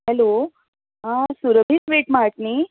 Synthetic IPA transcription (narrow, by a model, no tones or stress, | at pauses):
hɛlo | ɦãsuɾəbʱiːsʋeʈmaʈ̚ni